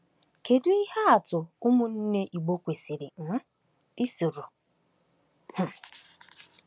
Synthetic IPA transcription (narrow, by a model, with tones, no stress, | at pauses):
ke˨dʊ˦i˦ha˦a˨tʊ˨ʊ˦mʊ˦n̩˦ne˦ʔi˨ɡ͡bo˦kʷe˨si˨ɾɪ˨m̩˦ | i˦sʊ˨ɾʊ˨ | hʊ˨